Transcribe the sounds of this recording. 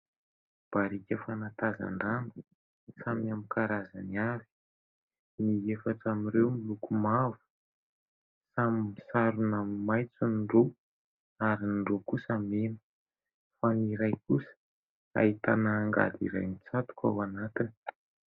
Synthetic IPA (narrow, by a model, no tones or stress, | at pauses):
b̥aɾikʲəfanat̪aza̰ɳɖ͡ʐanu | samamikaɾaza̰niavi̥ | niefaʈ͡ʂamiɾewmilukumavu̥ | samimisaɾunamimajt͡sunɖ͡ʐo | aɾinɖ͡ʐokusamenə̥ | faniɾajkusə̥ | a̰it̪anaːŋɡa̰d̪ḭɾa̰jmit͡sat̪u̥ka̰wanat̪ini̥